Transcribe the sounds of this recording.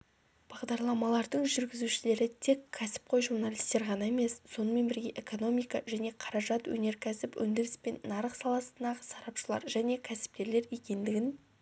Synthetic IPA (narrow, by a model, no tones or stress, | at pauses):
b̥ɑʁd̪ɑɾlˠɑmɑlˠɑɾd̪əɴʒʏɾɡʲɪzuʃɪle̞ɾɪt̪ʰe̞kʲʰːæsɪ̥p̚qʰo̞jʒuɾnalʲi̥st̪e̞ɾʁɑnɑe̞me̞sso̞nəme̞nbɪɾɡʲe̞ʔeko̞no̞mijkɑʒæne̞qʰɑɾɑʒɑt̪wɵ̰ne̞ɾkʲʰæsɪpwɵ̰nd̪ɪɾɪspe̞nːɑɾəqsɑlˠɑsənd̪ɑʁəsɑɾɑpʃəlˠɑ̰ɾʒæne̞kʲʰæsɪ̥p̚k̪ʲe̞ɾle̞ɾje̞kʲe̞nd̪ɪɡʲɪn